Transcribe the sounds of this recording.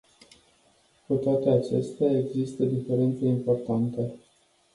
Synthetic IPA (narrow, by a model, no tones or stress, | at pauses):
kut̪oat̪e̞at͡ʃe̞̰st̪eae̞ɡzist̪əd̪ife̞ɾe̞nt̪seimpo̞rt̪ant̪ə